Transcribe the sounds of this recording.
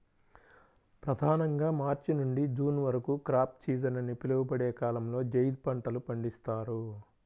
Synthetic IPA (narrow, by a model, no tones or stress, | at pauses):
pɾɐd̪ʱaːnɐŋɡaːmaːɾt͡ʃinuɳɖid͡ʒuːnʋɐɾɐkukɾaːp̚t͡ʃiːd͡ʒɐnɐnipilɐʋupɐɽeːkaːlɐmlo̞ːd͡ʒɐjd̪̚pɐɳʈɐlupɐɳɖist̪aːɾu